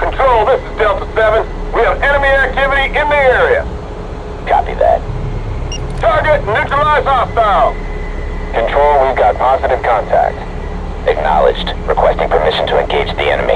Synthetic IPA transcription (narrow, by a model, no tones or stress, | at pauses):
kʰn̩tʰɹ̥oʊlˠðɪsɨzdɛlˠtə̥sɛvɨ̃n | wiɨvɛñəmiæk̚tʰɪvɨɾiʔɪ̃nðiɛɹiɨ̰ | kʰɑ̰pḭðæ̰t̚ | tʰɑɹɡɨt̚ⁿnʉt͡ʃɹ̥əlaɪzhɑstaɪlˠ | kʰɨ̃ntʰɹ̥oʊlˠwivɡɑt̚pʰɑzɨɾɨv̥kʰɑ̃ntʰæ̰k̚t | ɨk̚nɑ̰lˠɨ̰d͡ʒdɹɨkʰw̥ɛstɪ̃ŋpʰə˞mɪʃn̩tʰəɨ̃nɡeɪd͡ʒðḭɛ̰nɨmḭ